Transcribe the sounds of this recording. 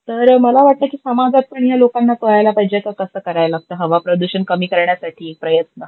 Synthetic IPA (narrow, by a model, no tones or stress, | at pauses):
t̪əɾməlaʋaʈ̚t̪əkiːsəmad͡zat̪̚pəɳjalokanːat̪əɭajlapəɦid͡ʑekəkəsəːkəɾajlaɡ̚t̪əːɦəʋapɾod̪uɕənkəmiːkəɾɳjasaʈʰiːk̚pɾəjət̪nə